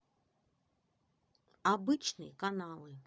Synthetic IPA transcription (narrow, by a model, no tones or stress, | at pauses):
abɨt͡ʃnɨ̰jkanalˠɨ